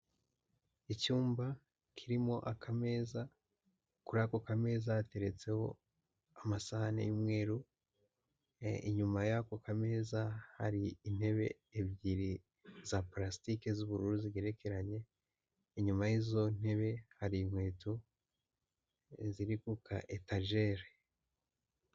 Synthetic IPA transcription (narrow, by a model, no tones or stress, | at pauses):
icuːmba | kʰiɾimo̞ʔakʰameza | kuɾako̞kame̞ːzaate̞ɾe̞t͡se̞ho̞̰ | amasahanḛjumŋe̞ːɾu | ḭɲumajakokame̞ːzaha̰ɾiːn̥he̞βe̞̰ːβɟiɾi | zaplasi̥tikezuβuɾuɾuziɡe̞ɾe̞kʰe̞ɾaɲe̞ | iɲumajizo̞n̥e̞βe̞haɾimwe̞ːtu | ziɾikukʰa̰ʔetaɾʒeɾe